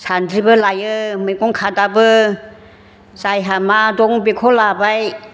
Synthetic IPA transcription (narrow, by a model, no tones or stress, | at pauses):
sʰandɾibəlajɯmɯjkɔŋkʰadabɯ | sajɦamadɔŋbekʰɔlabaj